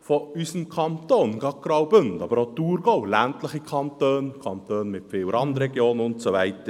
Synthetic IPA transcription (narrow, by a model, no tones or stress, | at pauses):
foysəmkʰɑntoːnɡ̥ɑkɾɑwbøndɑbəɾotuːɾɡ̥oʊlæntləχikʰɑntøːnkʰɑnt̪øːnmɪtfɪːwəɾɑndəɾɛɡjoːnʊntsovɛɪtə